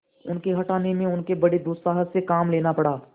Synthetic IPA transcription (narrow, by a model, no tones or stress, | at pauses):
ʊnkeɦɐʈaːnemẽʊnkebɐɽed̪uːsaːɦəsekaːmleːnapɐɽaː